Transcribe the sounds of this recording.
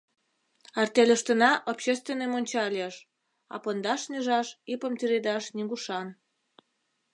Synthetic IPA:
ɑrt̪elʲəʃt̪ənɑʔopɕest̪vʲenemonʲt͡ɕɑlʲeʃ | ɑ̰pɤnd̪ɑʃnyʒɑʃipəmt̪iɾed̪ɑʃniɣuʃɑn

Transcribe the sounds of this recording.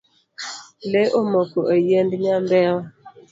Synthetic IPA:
leʔomokoʔejendɲambɛ

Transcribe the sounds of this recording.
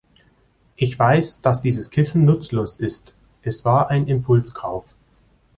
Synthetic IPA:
ʔɪçv̥aɪsd̥asd̥iːzəskʰɪsn̩nʊt͡sloːsɪst | ʔɛsv̥aːɐʔaɪnɪmpʰʊlskʰaʊf

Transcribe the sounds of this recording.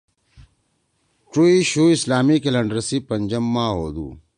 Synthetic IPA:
ʈuiɕuːislaːmikelɐɳɖɾɐsipɐɲd͡ʑɐmːãːɦoːd̪ṵː

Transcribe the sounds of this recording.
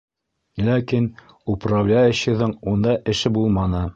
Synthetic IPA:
lʲækin | uprablʲajɘ̆ɕɘ̆ðɤɴund̪ɑʔɘ̆ʃɘbulˠmɑnɤ

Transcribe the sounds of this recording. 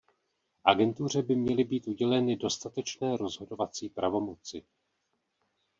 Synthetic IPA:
ʔa̰ɡɛnt̪ur̝ɛbɪmɲɛlɪbiːt̪ʔuɟɛlɛnɪdo̞st̪at̪ɛt͡ʃnɛːɾo̞zɦo̞do̞vat͡siːpɾavo̞mo̞t͡sɪ

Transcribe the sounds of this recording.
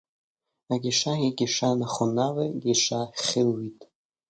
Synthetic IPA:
aɡʲɪʂaiɡʲɪʂanaχʊnaleɡʲiʂaχʲɪlwitʼ

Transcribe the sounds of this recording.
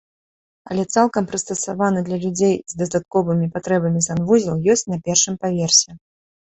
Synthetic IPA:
ɐlʲɛt̪salˠkɐmpɾɨst̪ɐsavanɨd̪lʲɐlʲud͡zʲejzd̪ɐst̪at̪̚kɔvɨmʲipat̪ɾɛbɐmʲizanvuzʲɐwjɔsʲt͡sʲnɐpʲɛrʂɨmpavʲɛrsʲɛ

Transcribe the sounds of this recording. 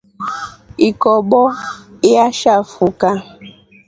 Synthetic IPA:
ikɔbɔiaʃafuka

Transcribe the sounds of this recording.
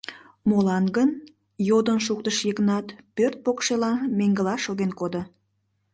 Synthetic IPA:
molɑnɡən | jod̪ənʃukt̪əʃjəɣənɑt̪pørt̪̚pokʃelɑmeŋɡəlɑʃoɣenkod̪o

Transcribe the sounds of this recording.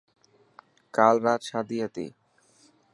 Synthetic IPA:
kalɾat̪ʃad̪ijat̪ḛ

